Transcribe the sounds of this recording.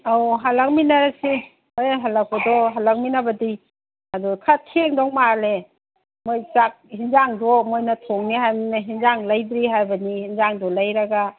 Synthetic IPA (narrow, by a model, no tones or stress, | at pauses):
awɦalak̚minaɾasi | ojɦalak̚ɔdɔɦalak̚minabɐdi | adukʰatʰeŋdɔŋmale | mojsak̚hinzaŋdɔmojnɐtʰɔŋnihajmnaɦinzaŋlajdɾiɦajbɐnihinzaŋdɔlajɾaɡa